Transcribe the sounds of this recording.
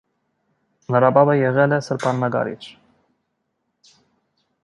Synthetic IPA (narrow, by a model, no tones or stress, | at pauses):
nəɾɑbɑbəjɛʁɛlɛsəɾpʰɑnːɑɡɑ̰ɾḭt͡ʃʰ